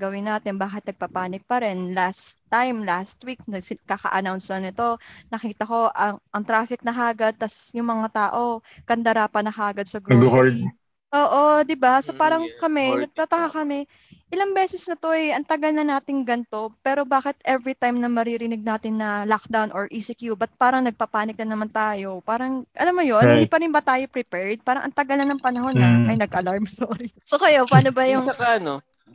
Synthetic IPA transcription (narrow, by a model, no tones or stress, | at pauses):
ɡɐwɪnːaːt̪ɪnbaːkɪt̪̚nɐɡ̚papaːnɪɡ̚pɐɾɛnlast̪ːajmlast̪wik̚nɐɡɪkakɐ̰ʔɐnawnsɐnɪt̪o̞nɐkiːt̪ɐko̞ʔɐŋʔɐŋt̪ɾaːfɪk̚nɐɦaːɡɐd̪̚t̪ɐsjʊŋmɐŋat̪aːʔo̞kɐnd̪ɐɾapɐnɐhaːɡɐd̪̚sɐɡɡʊka | ʔoːʔo̞d̪ɪbasopaːɾɐŋkɐmɛnɐɡ̚t̪aːt̪ɐkakɐmɛ | ʔɪlɐŋbɛːsɛsnɐt̪o̞ʔɐjʔɐnt̪ɐɡɐlnɐnaːt̪ɪŋɡɐnt̪o̞pɛːɾo̞baːkɪt̪ʔɛvɾit̪ajmnɐmɐɾiɾɪnɪɡ̚naːt̪ɪnːɐlak̚d̪awnʔoɹʔisɪkjubɐt̪̚paːɾɐŋnɐɡ̚pɐpaːnɪk̚nɐnɐmant̪aːjo̞paːɾɐŋʔɐ̰lamːojonɪndd̪iːpɐɾɪnbɐt̪aːjo̞pɾɪpɛɹd̪̚paːɾɐŋʔɐ̰nt̪ɐɡɐlnɐnɐŋpɐnɐɦo̞nːɐɐjnɐɡʔɐlaɹmsoɾisokɐjo̞paːnobɐjʊŋɐkaɐno